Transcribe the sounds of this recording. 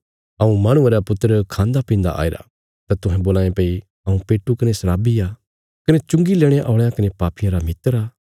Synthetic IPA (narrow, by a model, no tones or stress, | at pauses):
ɐũmaːɽ̃ʊ̃eɾapʊt̪ːəɾkʰãːnd̪apĩːnd̪a̰ʔa̰ːḛɾa̰ | t̪at̪ʊɦɛ̃boːlaːẽpeːi | ɐũpeːʈːukɐnesɐɾaːbiaː | kɐnet͡ʃʊ̃ŋɡileːɽ̃eʔɔːɭejãkɐnepaːpɪjãɾamɪt̪ːəɾaː